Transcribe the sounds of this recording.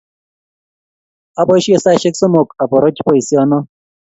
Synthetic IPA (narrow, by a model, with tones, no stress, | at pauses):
a˦bɔ˦ʃɔ˦˨sa˦˨ʃe˦ksɔ˦mo˨ka˨pɔ˨ɾɔ˦t͡ʃi˦pɔ˨i˨si˦ɔ˦nɔ˦